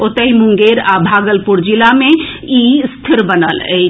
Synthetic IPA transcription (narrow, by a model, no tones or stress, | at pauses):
ot̪əɦimuŋɡeɾabʱaɡəlpuɾd͡ʒilameist̪ʰiɾbənə̰lə